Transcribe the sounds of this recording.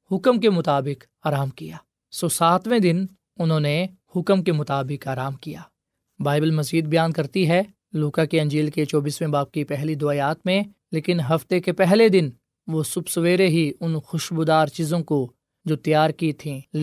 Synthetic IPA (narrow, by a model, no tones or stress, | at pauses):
hʊkəmk̬emʊt̪aːbɪk | aːɾaːmkijaː | soːsaːt̪ʰwẽd̪ɪn | ʊnɦõːnehʊkəmkemʊt̪aːbɪkaːɾaːmkijaː | baːɪbəlmɐziːd̪̚bjaːnkɐɾt̪iɦɛ | luːkakiɐ̃ɲd͡ʒiːlket͡ʃɔːbiːsmẽbaːp̚kipɛɦlid̪ʊaːjaːt̪mẽ | leːkɪnɦɐft̪ekepɛɦled̪ɪn | ʋosʊbsəʋeːɾeɦiʊnxʊʃbʊd̪aːɾt͡ʃiːzõko | d͡ʒoːt̪jaːɾkit̪ʰĩl